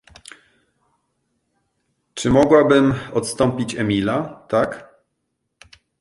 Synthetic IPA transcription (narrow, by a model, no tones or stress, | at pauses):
t͡ʂɘmɔɡwabɘmɔt̪st̪ɔmpʲit͡ɕɛmʲilat̪ak